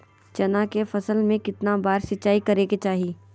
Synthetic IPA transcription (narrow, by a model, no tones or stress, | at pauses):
t͡ʃɐnakefɐsəlmẽkɪt̪nabaːɾsɪtːt͡ʃaːikɐɾeːket͡ʃaːɦiː